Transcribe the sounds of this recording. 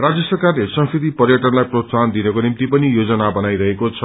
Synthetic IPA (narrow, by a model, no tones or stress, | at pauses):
rad͡zjʌsʌrkarlesʌ̃ŋsid̪ipʌrjʌʈʌnlajprosand̪inʌkonimt̪ipʌnijod͡zʌnabʌnajɾʌɦekot͡sʰʌ